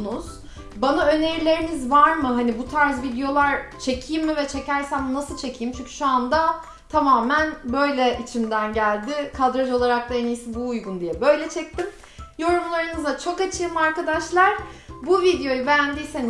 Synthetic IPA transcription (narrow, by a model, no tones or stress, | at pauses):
nuz̥ | banaø̞ne̞ɾilʲe̞ɾimizvaɾmɯɦanibut̪ʰaɾzvid̪ejo̞lˠaɾt͡ʃʰe̞cʰijimːivɛt͡ʃʰe̞cʰæɾsænnasɯlˠt͡ʃʰe̞cʰijimt͡ʃʰyɲcʰy̥ʃuand̪a | t̪ʰamaːmænbø̞jlʲɛʔit͡ʃʰimd̪ænɟælʲd̪ɪkʰad̪ɾad͡ʒo̞lˠaɾak̚t̪aenijsibuːjɡund̪ijɛbø̞jlʲɛt͡ʃʰɛc̚t̪im | jo̞ɾumlˠaɾɯnɯzat͡ʃʰo̞kat͡ʃʰɯːmaɾkad̪aʃlˠaɾ̥buvid̪ejo̞jubɛjænd̪ijsen